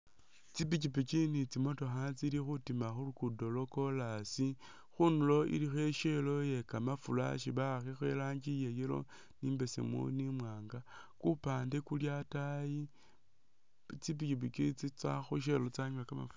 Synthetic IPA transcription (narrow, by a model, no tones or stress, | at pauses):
t͡sip̬icipikinit͡simo̞to̞xat͡silixutimaxulukudo̞lo̞ko̞lasi | xunulo̞ḭlixe̞ʃelo̞je̞kamafula̰ʃiβaxixwe̞̰laːɲɡijejilo̞̰ | niːmbe̞sḛmṵnimwaːŋɡa | kupaːnde̞kuljataji | t͡sip̬ikip̬ikit͡sit͡sa̰xoʃ̬elot͡saɲakama̰f